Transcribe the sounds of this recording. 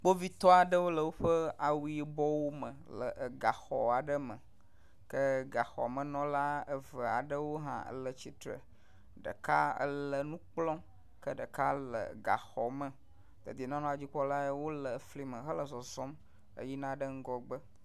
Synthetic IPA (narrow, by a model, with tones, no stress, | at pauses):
k͡po˦vi˦t̪ɔ˦a˨ɖə˦wo˦lə˨wo˦ɸə˦a˨wu˦i˨bɔ˦wo˦mə̃˨lə̰˨ʔɡa˨xɔ̰˨a˨ɖə˦mə˨ | kə˦ɡa˨xɔ̰˨mə̃˨nɔ̃˦la˦ə˦və˨a˨ɖə˦wo˦ɦã̰˦ə̰˦lə˨t͡ɕi˨t̪ɾə̰˨ | ɖə̰˨ka˦ə̰˦lə˨nũ˦k͡plɔ̃˦ | kə˦ɖə˨ka˦lə̰˨ɡa̰˨xɔ˨mə˨ | d̪ə̰˨d̪i˨nã˦nɔ̃˦a˨d͡ʑi˦k͡pɔ˦la˦e˦wo˦lə˨fli˦mə̃˨ɦə˦lə˨zɔ˨zɔ˦m | ə̰˦ji˦nã˦ɖə˦ŋ̩˦ɡɔ˦ɡ͡bə˦